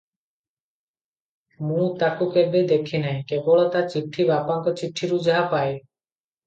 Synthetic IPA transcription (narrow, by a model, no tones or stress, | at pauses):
mũt̪akukebed̪ekʰːinɛjkeboɭɔt̪aɾt͡ɕiʈʰːibapaŋkɔt͡ɕiʈʰːiɾud͡ʑaɦapaej